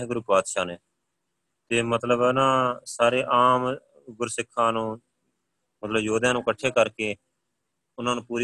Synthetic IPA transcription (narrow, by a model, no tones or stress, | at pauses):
ɡʊɾʊkaːd̪ʃaːneː | t̪eːmət̪ləbnãːsaːɾeːʔaːm | ɡʊɾsɪkʰːãːnũː | mət̪ləbjoːd̪jãːnũːkəʈʰːeːkəɾkeː | ʊnãːnũːpuːɾ